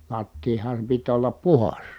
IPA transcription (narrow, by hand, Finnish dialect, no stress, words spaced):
lɑtːiːhɑm pit olːɑp puhɑs